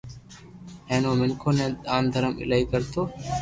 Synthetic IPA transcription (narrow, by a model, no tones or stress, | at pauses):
ɦẽːnoːmɪŋkʰoːnẽːaːnd̪ʱəɾəmɪ̰ləiːkəɾt̪ʰoː